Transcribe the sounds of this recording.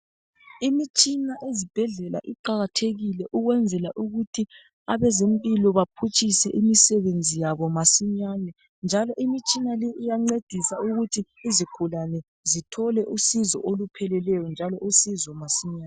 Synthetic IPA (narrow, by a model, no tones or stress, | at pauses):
imit͡ʃʼinaʔezib̥ʱɛɮɛla̰ʔiǃaɣatʰeɣilɛʔuɣwɛnd͡zʱɛlaʔuɣutʰi | aβɛzempʼilɔβapʰut͡ʃʼʰisɛʔimisɛβend͡zʱijaβɔmasiɲanɛ | nd͡ʒʱalɔʔimit͡ʃʼinalɛʔijaŋ͡ǀed̥ʱisauɣutʰiːzikʰulanɛ | zitʰɔlɛʔusizɔ̰ʔolupʰɛlɛlɛjɔnd͡ʒʱalɔʔusizɔmasiɲaːn